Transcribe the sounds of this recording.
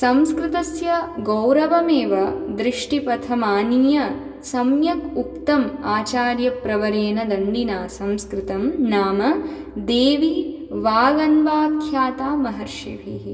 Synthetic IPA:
sɐmskɾɪt̪ɐsjɐɡɐwɾɐʋɐmeːʋɐd̪ɾɪʂʈipɐt̪ʰɐmaːniːjɐ | sɐmjɐkukt̪ɐmaːt͡ʃaːɾjɐpɾɐʋɐɾeːnɐd̪ɐnɖ̪inaːsɐmskɾɪt̪ɐmnaːmɐ | d̪eːʋi | ʋaːɡɐnʋaːkʰjaːt̪aːmɐɦɐɾʃiʋʱiɦi

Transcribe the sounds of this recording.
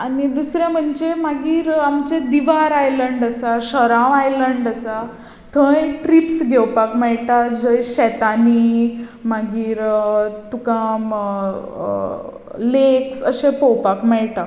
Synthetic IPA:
anid̪usɾɛ̃m̤əɳd͡ʑemaɡiːɾamt͡ɕed̪iʋaɾajləɳɖəsaɕəɾãʋajləɳɖəsa | t̪ʰə̃jʈɾipsɡʱɛwpakmɛɭʈad͡ʑəjɕɛt̪animaɡiːɾt̪ukãm | leksəɕẽpɔwpakmɛɭʈa

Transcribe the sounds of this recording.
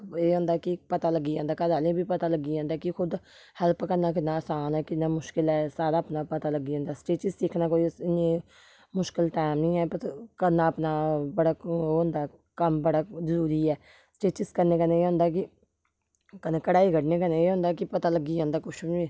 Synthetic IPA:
eːɦʊ̃ːnd̪aːkɪpət̪aːləɡiːãːnd̪aːkəɾaːlẽːbiːpət̪aːləɡiːãːnd̪aːkɪkʰʊd̪ | hɛlpkəɾnaːk̬ɪnaːəːsaːnɛːkɪnaːmʊʃkɪlɛːsaːɾaːəpnaːpət̪aːləɡiːõnd̪aːsʈeːt͡ʃɪssɪkʰnaːkoːiːɪnẽː | mʊʃkɪlʈaːmnĩːɛːpəɾkənːaːəpnaːbəɽaːɦʊ̃nd̪aː | kəmbəɽaːzəɾuːɾiːɛː | sʈeːt͡ʃɪskəɾneːkəneːeːɦʊ̃nd̪aːk̬ɪ | kəneːkəɽaːiːɡəɽneːkəneːeːɦʊ̃nd̪aːkɪpət̪aːləɡːiːãːnd̪aːkʊt͡ʃʰbiː

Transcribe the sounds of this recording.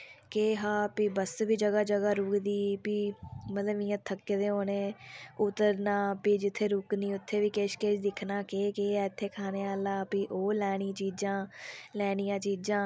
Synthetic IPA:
keːɦaːpiːbəsʋiːd͡ʒəɡaːd͡ʒəɡaːɾuːkd̪iːpiːmət̪ləʋɪ̃jãːt̪ʰəkːed̪eːɦoːneːʊt̪əɾnãːpiːd͡ʒɪt̪ʰːeːɾuːkniːʊt̪ʰːeːʋiːkeʃket͡ʃd̪ɪkʰnaːkeːkeːɛːɪt̪ʰːeːkʰaːneːaːlaːpiːʔoːlɛːɽ̃ĩːt͡ʃiːd͡ʒãːlɛːɽ̃ijãːt͡ʃiːd͡ʒãː

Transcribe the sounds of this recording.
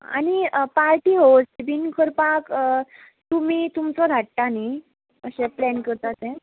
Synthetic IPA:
a̰ɽ̃ipaɾʈiːɦost̪ebinkʰəɾpak | t̪um̤iːt̪umt͡sɔd̪ʱaʈʈani | əɕɛ̃plɛnkəɾt̪at̪ẽ

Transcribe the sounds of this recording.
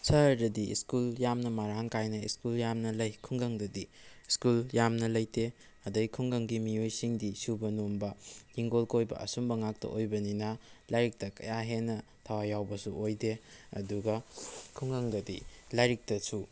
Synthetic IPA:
sɐɾdɐdiḭskuljamnɐmaɾaŋkajnɐiskuljamnɐlɐjkʰuŋɡɐŋdɐdi | skuljamnɐlɐjte | ɐdɐɡikʰuŋɡɐŋɡimiojsiŋdisubɐnombɐjiŋɡolkojbɐ̰ʔɐ̰sumbɐŋak̚tɐ̰ʔojbɐninɐlaɾik̚tɐkɐ̰jaɦenɐ | tʰawajawbɐsuʔojdeɐ̰duɡɐkʰuŋɡɐŋdɐdḭlajɾik̚tɐsu

